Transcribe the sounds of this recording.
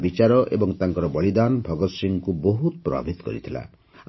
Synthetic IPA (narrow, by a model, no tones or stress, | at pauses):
bit͡ʃaɾɔʔḛbɔŋt̪aŋkɔɾɔbɔɭid̪anbʱɔɡɔt̪siŋkuboɦut̪pɾɔ̰ba̰bʱit̪ɔ̥kɔ̰ɾit̪ʰila̰